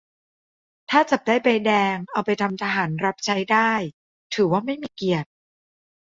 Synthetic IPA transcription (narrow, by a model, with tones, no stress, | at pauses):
t̪ʰaː˥˩t͡ɕa˨˩p̚daː˥˩jpa˧jdɛː˧ŋʔa˧wpa˧jt̪ʰa˧mt̪ʰa˧ɦaː˩˦nɾa˦˥p̚t͡ɕʰa˦˥jdaː˥˩j | t̪ʰɯː˩˦waː˥˩ma˥˩jmiː˧ki˨˩ət̪̚